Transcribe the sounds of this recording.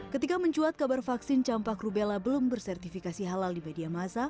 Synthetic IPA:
kət̪ikaməɲt͡ʃuat̪̚kabarfaksɪnt͡ʃampakrubelabəlumbərsɛrt̪ifikasiɦalaldimediamasa

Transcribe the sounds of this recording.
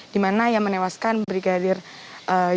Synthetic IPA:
d̥imanajamənewaskanbɾiɡadɪrʔə

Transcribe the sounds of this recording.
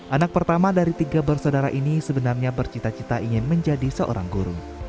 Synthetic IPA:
ʔanak̚pərt̪amadaɾit̪iɡabərsadaɾa̰ʔinisəbənarɲabərt͡ʃit̪at͡ʃit̪aʔiŋɪnməɲd͡ʒadisəʔo̰ɾa̰ŋɡuɾṵŋ

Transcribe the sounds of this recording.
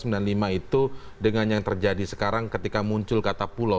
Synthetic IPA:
səmbilanlimait̪udəŋanjaŋt̪ərd͡ʒadisə̥kaɾaŋkət̪ikamuɲt͡ʃʊlkat̪apula

